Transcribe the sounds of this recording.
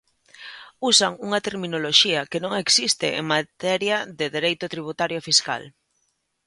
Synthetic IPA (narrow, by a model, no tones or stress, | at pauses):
usaŋuŋat̪eɾmĩnoloʃiakenõŋeksist̪ɪ̰ʔḛŋmat̪ɛɾjaðeðeɾejt̪ʊt̪ɾiβ̞ut̪aɾjofiska̰l